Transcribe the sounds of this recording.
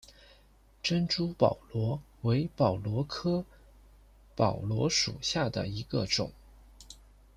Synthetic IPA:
ʈ͡ʂə˥nʈ͡ʂu˥pɑ̰˨˩ʊlwɔ˧˥ | we˧˥ɪpɑ˨˩ʊlwɔ˧˥kʰɤ˥ | pɑ˨˩ʊlwɔ˧˥ʂṵ˨˩ɕja˥˩d̪ə̰˩i˧˥ɡə̰˧ʈ͡ʂʊ̰˨˩˦ŋ

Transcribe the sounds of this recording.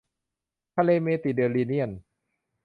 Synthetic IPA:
p̪ʰaː˧leː˧meː˧t̪i˨˩dɯ˧ənliː˧ni˥˩ən

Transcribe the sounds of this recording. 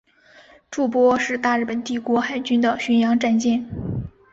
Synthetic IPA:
ʈ͡ʂu˥˩pwɔ˥ʂɻ̩˥˧t̪a˥˧ɻ̩˥˩pə˨˩nt̪i˥˩kwɔ˧˥xa˨˩ɪt͡ɕy˥nd̪ə˨ɕy˧˥njɑ˧˥ŋʈ͡ʂa˥˧nt͡ɕjɛ˥˩n

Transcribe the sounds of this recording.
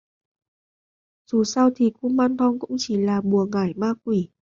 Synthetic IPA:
z̥u˨˩sa˧wt̪ʰi˨˩ku˧maː˧nt̪ʰɔ˧ŋkʊ̰˧˥ŋ͡mt͡ɕi˧˩laː˨˩ɓu˨˩əŋaː˧˩jmaː˧k̚wi˧˩

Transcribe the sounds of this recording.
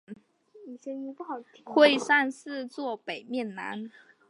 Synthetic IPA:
i˨˩ɕɛ˧˥nju˧pu˥˩xɑ˨˩ʊxwe˥˧ɪsa˥˧nsɹ̩˥˧t͡swɔ˥˨˩pe˨˩ɪmjɛ˥˩nna̰˧˥˦n

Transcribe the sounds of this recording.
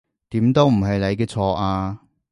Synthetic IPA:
t̪iː˨˥mt̪o˥wm̩˨˩ɦɐ˨jle˨˧jkɛː˧t͡sʰɔː˧ʔaː˧

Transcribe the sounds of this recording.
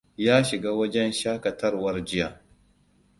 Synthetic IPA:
jaː˦ʃɪ˨ɡaː˦wɐ˦d͡ʒɛ˦nʃaː˦kɐ˨tɐ˦rwɐ˦rd͡ʒɪ˦jaː˨

